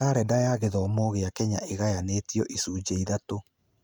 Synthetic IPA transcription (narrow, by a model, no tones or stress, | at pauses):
aɾɛdajaːɣeðɔːmɔɣeakɛɲaʔeɣajaneːtijɔʔisuːd͡ʑeiðato